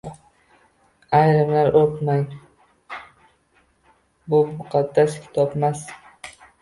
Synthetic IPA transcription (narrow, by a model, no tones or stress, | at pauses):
ajɾɪmlaɾʔoɾt̪maj | bʊmʊqʰɑd̪ːaskʲʰɪ̥t̪ʰɒpmas